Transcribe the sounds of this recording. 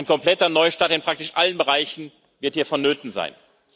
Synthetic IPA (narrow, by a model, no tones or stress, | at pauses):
aɪnkʰɔmplɛtɐnɔʏʃtaːtɪnpʁ̥ak̚tɪʃʔalənbəʁaɪçn̩ | vɪɐthiːɐfɔnːøːtn̩za̰ɪn